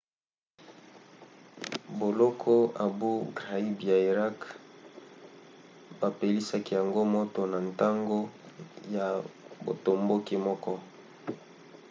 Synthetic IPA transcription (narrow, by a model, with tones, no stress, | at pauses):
bo˨lɔ˦kʰɔ˦a˨bu˦ɡʁa˨i˦bja˨i˨ʁa˦k | ba˨pe˨li˦sa˦ki˦ja˨ŋɡo˦mo˦to˨na˨n˨ta˦ŋɡo˦ja˨bo̰˨to˨mbo˦ki˦mɔ˦kɔ˦